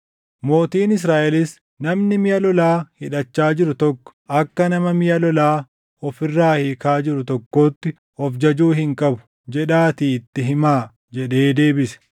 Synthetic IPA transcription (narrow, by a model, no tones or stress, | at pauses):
mo̞ːt̪iːnɪs̬ɾaːʔɛlɪs | nɐmnɪmɪjɐlɔlaːhɪᶑɐt͡ʃːaːd͡ʒɪɾʊt̪ɔkːɔ̥ʔɐkːɐnɐmɐmɪjɐlɔlaː | ɔfɪrːaːhɪkaːd͡ʒɪɾʊt̪ɔkːo̞ːt̪ːɪ | ɔfd͡ʒɐd͡ʒuːhɪŋkʼɐbʊ̥ | d͡ʒɛᶑaːt̪iːt̪ːɪɦɪmaː | d͡ʒɛᶑe̞ːd̪e̞ːbɪsɛ̥